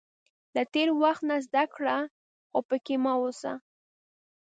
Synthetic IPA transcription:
lat̪eɾwaxt̪nazd̪akɽa | xopəkemawosa̰

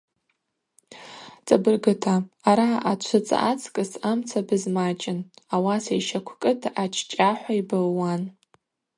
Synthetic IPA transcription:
t͡sʼabɨrɡɨtʰaːɾaʔat͡ʃʷʰɨt͡sʼa̰ʔat͡sʰʼkʼɨsamt͡sʰabɨzmat͡ʃʼɪnawasaiʃakʷʰkʼɨtʰat͡ʃʰʼt͡ʃʼaħʷaibɨlːan

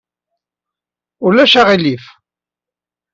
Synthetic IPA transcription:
ʊlːæʃæʁilif

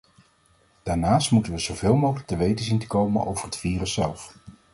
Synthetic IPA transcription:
d̥aːɹnaːstmutənʋəzowvɪːlˠmowχələk̚təʋejtəzintə̥kowmənʔo̰wvərɦətfiːrəsːɛlˠf

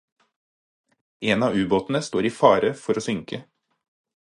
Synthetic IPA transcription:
eːnɑːʉːboːt̪n̩əst̪oːɾiːfɑːɾəfɔɾoːsʏŋkʰə

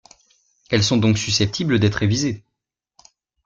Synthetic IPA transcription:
ɛlsɔ̃d̪ɔ̃ksysɛp̚t̪ʰibləd̪ɛt̪χevize

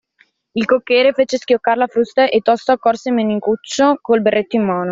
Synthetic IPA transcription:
ilkokːɛːɾefeːt͡ʃesk̟jokːaɾlafɾust̪aʔet̪ːɔst̪oakːɔrsemeːniŋkut͡ʃːokolberːet̪ːoimːaːno

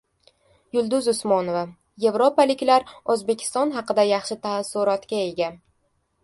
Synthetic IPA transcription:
jʊlˠd̪ʊzʊsmɒnova | je̞vɾo̞palɪkʲlaɾɵzbe̞kʲʰɪ̥st̪ɒnɦɑqɨd̪ajɑχʃɪt̪ʰasːʊɾɒt̪kʲae̞ɡʲa

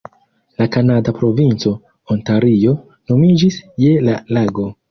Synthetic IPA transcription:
lakanadapɾo̞vint͡so̞ | ontaɾio̞ | no̞mid͡ʒisje̞lalaɡo̞

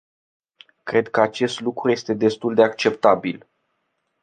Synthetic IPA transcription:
kɾe̞d̪̚kəat͡ʃe̞st̪lukɾuje̞st̪e̞d̪e̞st̪uld̪e̞akt͡ʃe̞pt̪abil

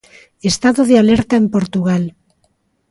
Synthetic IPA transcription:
est̪aðoðealeɾt̪aempo̞ɾt̪uɣ̞al

